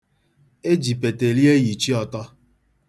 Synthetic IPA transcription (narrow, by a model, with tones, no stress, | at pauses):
e˦d͡ʒi˨pe˨te˨li˦e˦ji˨t͡ʃi˦ɔ˨tɔ˦